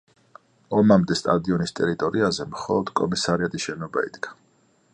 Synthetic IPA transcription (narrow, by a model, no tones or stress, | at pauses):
ɔmamd̪ɛst̪ʼad̪iɔnist̪ʼɛɾit̪ʼɔɾiazɛmχɔlˠɔd̪̥kʼɔmisaɾiat̪ʼisʃɛnɔbaḭd̪̥ɡḁ